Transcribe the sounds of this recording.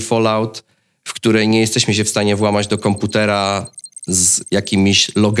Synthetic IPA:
fɔlawt̪ | fkt̪uɾɛjɲɛjɛst̪ɛɕmɘɕ̬ɛfst̪aɲɛvwamad͡ʑd̪ɔkɔmput̪ɛɾa | zjakʲimʲiɕlɔɡ

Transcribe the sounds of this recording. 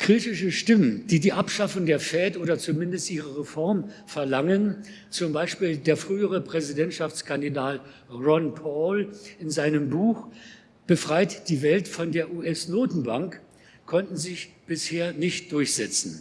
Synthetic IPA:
kʁ̥iːtɪʃəʃtɪmənd̥iːdiːʔapʃafʊŋdeːɐfɛːtʔoːdɐt͡sumɪndəstʔiːʁəʁefɔɐm | fɛɐlaŋən | t͡sʊmbaɪʃpiːldeːɐfʁ̥yːəʁəpʁ̥ɛzidɛntʃaft͡skʰandidaːt | ʁɔnpʰɔlɪnzaɪnəmbuːx | b̥əfʁ̥aɪtd̥iːvɛltfɔndeːɐʔuːʔɛsnoːtn̩baŋk | kʰːɔntn̩zɪçb̥ɪsheːɐnɪçt̚d̥ʊɐçz̥ɛt͡sn̩

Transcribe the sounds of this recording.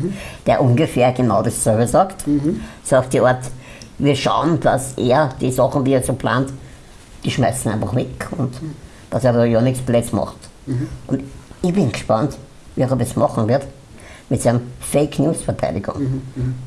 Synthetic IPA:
d̥eːɐʔʊnɡəfeːɐɡ̥enaʊdessøɐvəsɑːktsɑːkft̚d̥iʔɔɐt | viːɐʃa̰ʊənd̥asʔeːɐd̥iːsɑχn̩diːɛːsoːpʰla̰ːnt | d̥iːʃmæɪsn̩æ̰ɪnfɑχmɪkʰʊnt | d̥ɑsɛɐdojonɪksplɛt͡smɑ̰χt | ʔʊndɪçb̥ɪnɡəʃpɑnt | viːʁɔbəsmɑχn̩vɪɐt | mɪtsɛɪnəmfeɪkʰnjuːsfɛɐtʰæ̰ɪɾɪɡʊ̰ŋ

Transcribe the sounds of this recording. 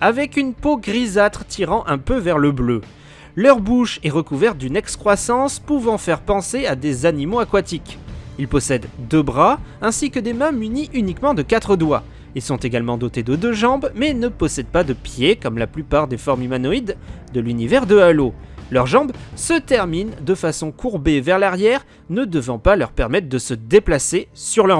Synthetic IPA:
avɛkynpoɡʁizat̪χt̪iʁɑ̃ʔɛ̃pøvɛʁləblø | lœʁbuʃeʁəkuvɛʁt̪̚d̪ynɛkskχwasɑ̃spuvɑ̃fɛʁpɑ̃sead̪ezanimoakwat̪ikilpɔsɛd̪d̪øbʁa | ɛ̃sikəd̪emɛ̃myniʔynikmɑ̃d̪əkat̪χəd̪wa | ilsɔ̃t̪eɡalmɑ̃d̪ot̪ed̪əd̪øʒɑ̃bmɛnəpɔsɛd̪̚pad̪əpjekɔmlaplypaʁd̪efɔʁmimanɔid̪ː | əlynivɛʁd̪əalo | lœʁʒɑ̃bsət̪ɛʁmind̪əfasɔ̃kʰuʁbevɛʁlaʁjɛʁ | nəd̪əvɑ̃palœʁpɛʁmɛt̪χd̪əsəd̪eplasesyʁlœʁ

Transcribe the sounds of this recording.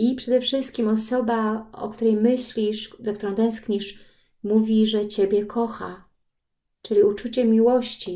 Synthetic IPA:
ipʂɛd̪ɛfʂɘst̪̚kʲimɔsɔbaɔ̰kt̪uɾɛjmɘɕlʲiʂzak̚t̪uɾɔ̃w̃t̪ɛ̃skɲiʂ | muvʲiʐɛt͡ɕebʲjɛkʰɔxa̰ | t͡ʂɘlʲiut͡ʂut͡ɕɛmʲiwɔɕt͡ɕi

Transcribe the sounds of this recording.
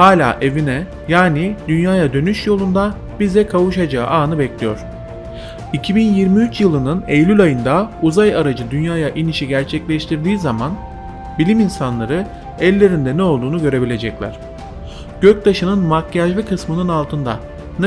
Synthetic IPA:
haːlʲa̰ːʔe̞vinɛ | jaːnid̪ynjaːjad̪ø̞nyʃjo̞lˠund̪a | bizɛkʰavuʃad͡ʒaːʔaːnɯbɛclʲijo̰ɾ̥ | icʰibinjiɾmiyt͡ʃjɯlˠɯnɯnejlʲylʲajɯnd̪auzajaɾad͡ʒɯd̪ynjaːjaʔiniʃiɟæɾt͡ʃʰɛclʲɛʃt̪ʰiɾd̪iːzaman | bilʲiminsanlˠaɾɯ | ɛlʲːe̞ɾind̪ɛnɛo̞lˠd̪uːnuɡø̞ɾe̞bilʲe̞d͡ʒɛclʲæ̰ɾ̝̥ | ɟ̥øc̚d̪aʃɯnɯnmakːaʒvɛkʰɯsmɯnɯnalˠt̪ʰɯnd̪a̰ | n

